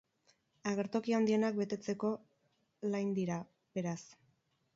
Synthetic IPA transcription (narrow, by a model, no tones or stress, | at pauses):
aɣ̞e̞ɾt̪o̞kiand̪ie̞nak̚be̞t̪e̞t͡se̞ko̞ | lajnd̪iɾa | be̞ɾas